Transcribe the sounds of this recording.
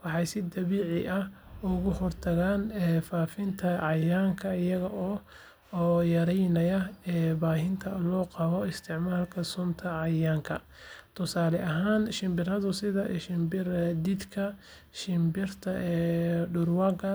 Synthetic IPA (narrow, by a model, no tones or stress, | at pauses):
wɑħɑjsɪd̪ɐβiːʕɪʔɐh | ʊɣʊhɔrt̪ʰɐɣaːnɛːfaːfɪnt̪ʰɐʕɑjaːŋkʰɐɪjɐɣɐʔɔː | jɐɾɛjnɐjɐɛːbaːɦɪnt̪ʰɐlɔːqɑβɔɪst̪ʰɪʕmaːlkʰɐsʊmt̪ʰɐʕɑjaːŋkʰɐ̰ | t̪ʰʊsaːlɛʔɐɦaːnʃɪmbɪrɐðʊsɪðɐʃɪmbɪrd̪id̪kʰɐ | ʃɪmbɪrt̪ʰɐʔɛɖʊrwaːɡɐ